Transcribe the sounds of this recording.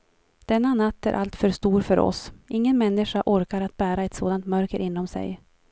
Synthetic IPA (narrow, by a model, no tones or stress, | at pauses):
d̪̥ɛnːanat̪ːæ̰ɾʔa̰lt̪fœɾʂt̪uːɾfœɾɔ̰sʔɪŋːənmɛnːɪʂaʔɔɾkaɾat̪̚bæːɾaɛt̪soːd̪ant̪mœɾkəɾʔɪnːɔmsɛ̰j